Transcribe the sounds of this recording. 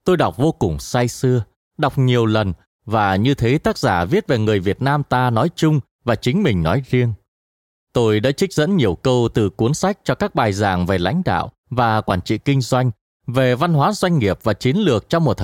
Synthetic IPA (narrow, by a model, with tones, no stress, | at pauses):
t̪o˧jɗa˨˩wk͡p̚vo˧kʊ˨˩ŋ͡msa˧jsɨ˧ə | ɗa˨˩wk͡p̚ɲi˨˩əwlə˨˩n | vaː˨˩ɲɨ˧t̪ʰe˨˦t̪aː˦˥k̚zaː˧˩vi˦˥ət̚ve˨˩ŋɨ˨˩əjvi˨˩ət̚naː˧mt̪aː˧nɔ˨˦jt͡ɕʊ˧ŋ͡m | vaː˨˩t͡ɕï˨˦ŋ̟mï˨˩ŋ̟nɔ˨˦jzi˧əŋ | t̪o˧jɗa̰ː˧˥t͡ɕï˦˥k̟̚z̥ə̰˧˥nɲi˨˩əwkə˧wt̪ɨ˨˩ku˨˦ənsa˦˥jk̟̚t͡ɕɔ˧kaː˦˥k̚ɓaː˨˩jzaː˨˩ŋve˨˩la̰˧˥jŋ̟ɗa̰ː˧˨w | vaː˨˩kwaː˧˩nt͡ɕḭ˧˨kï˧ŋ̟zwa˧jŋ̟ | ve˨˩va˧nɦwaː˨˦zwa˧jŋ̟ŋi˨˩əp̚vaː˨˩t͡ɕi˨˦ənlɨ˨˩ək̚t͡ɕɔ˧ŋ͡mmo˨˩t̚t̪ʰ